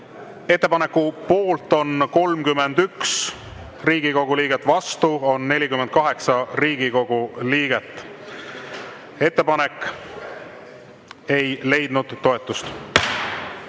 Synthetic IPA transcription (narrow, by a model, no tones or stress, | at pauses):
e̞t̪ːe̞pɑne̞kːˑupo̞ːlt̪ːˑo̞nko̞lmkymːe̞nd̪yks | riːɡ̥iko̞ɡ̥uliːɡ̥et̪ːˑvɑst̪uo̞nːe̞lʲikymen̚kɑɦe̞ksɑriːɡ̥iko̞ɡ̥uliːɡ̥e̞t̪ˑː | e̞t̪ːe̞pɑnekːˑ | e̞jle̞jd̪̥nud̪̥ːo̞e̞t̪ːˑust̪